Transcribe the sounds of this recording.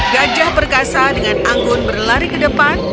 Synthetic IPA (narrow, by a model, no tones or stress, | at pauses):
ɡad͡ʒahbərkasadəŋanaŋɡʊrnbərlaɾikədəpan